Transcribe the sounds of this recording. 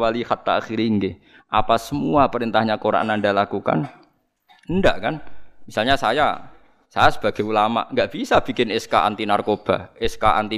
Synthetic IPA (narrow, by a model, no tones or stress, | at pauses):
walixat̪aaxiɾiŋɡɪh | ʔapasəmuapəɾint̪ahɲakoɾa̰ʔnandalakuka̰n | əndaʔkanmisalɲasaja | sajasəb̥a̤ɡ̥ɛulama̰ʔŋɡaʔb̥isab̥i̤kɪnɛskaʔa̰nt̪inarkob̥a̤ɛskaʔa̰nt̪i